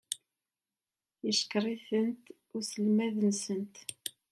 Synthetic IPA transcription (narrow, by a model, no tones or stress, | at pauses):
jəʃə̥kɾˤiθənt̪ | ʊɾsəlmæðənsənt̪